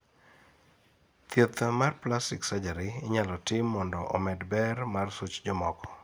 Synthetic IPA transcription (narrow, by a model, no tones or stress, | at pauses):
t̪jet̪amarplastɪksad͡ʒaɾiɪɲalɔtɪmːɔndɔʔɔmɛdbɛrmarsut͡ʃd͡ʒɔmɔkɔ̥